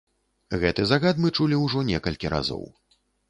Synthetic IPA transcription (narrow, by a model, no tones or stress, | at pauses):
ɣɛt̪ɨzaɣat̪mɨt͡ʂulʲiwʐɔnʲɛkɐlʲkʲiɾa̰zɔ̰w